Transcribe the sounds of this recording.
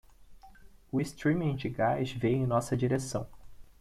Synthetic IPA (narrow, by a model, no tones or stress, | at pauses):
ʊist̪ɾĩmĩd͡ʒɪɡajʃvẽj̃ẽj̃nɔsɐd͡ʒiɾesɐ̃w̃